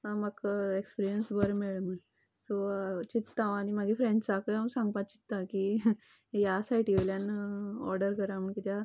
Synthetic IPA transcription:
məkekspiɾijənsbəɾmeɭmə | sot͡ɕit̪ːãwaɽ̃imaɡifɾeɳɖsakəjɦamsãŋɡ̚pat̪̚t͡ɕit̪ːaki | jasaiʈʰiʋeljanɔ̰ɾɖəɾkəɾaməɳkit̪ja

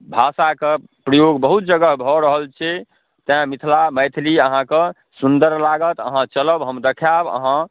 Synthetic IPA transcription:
bʱasake | pɾəjoɡbəɦut̪̚d͡ʒəɡəɦbʱɔɾəɦəlt͡ʃʰɛ | t̪mit̪ʰlaməjt̪ʰliəɦãkə | sund̪əɾlaɡət̪əɦãt͡ʃələbɦəmd̪ekʰjabə̰ɦã

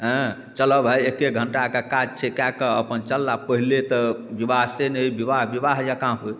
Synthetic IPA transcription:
ɦə̃ | t͡ʃələbʱɦəekːeɡʱəɳʈakekad͡ʒt͡ʃʰekjakəəpənt͡ʃəlːapəɦilet̪ɔbibaɦsenəibibaɦbiβaɦjakãp

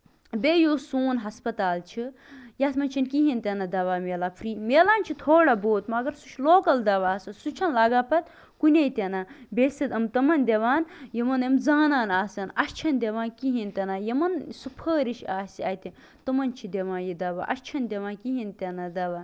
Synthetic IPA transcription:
bejoːsuːnɦɐspɐt̪aːlt͡ʃʰijaːsmɐnʲt͡ʃʰinkiɦinʲt̪ʲenɐd̪ɐʋaːmeːlapʰɾiːmʲeːlaːnt͡ʃʰit̪ʰoːɽaboːt̪mɐɡɐɾsut͡ʃʰloːkɐld̪ɐʋaːsɐnsut͡ʃʰɐnlaːɡapɐt̪ | kunʲɐjt̪ʲenabʲeːsid̪ɐmt̪ɐmɐnʲd̪ʲeʋaːnjimɐnɐmzaːnaːnaːsɐnɐʃt͡ʃʰɐnd̪ʲeʋãːnkiɦinʲt̪ʲɐnaːjimɐnsupʰəːɾiʃaːsiɐːjt̪ʲi | t̪ɨmɐnt͡ʃʰid̪ʲeʋãːnjid̪ɐʋa̰ʔɐ̰ʃt͡ʃʰɐnd̪ʲeʋaːnkiɦint̪ʲenɐd̪ɐʋaːn

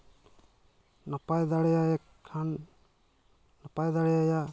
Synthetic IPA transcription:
napajd̪aɽɛjakʰːan | napajd̪aɽɛjaja

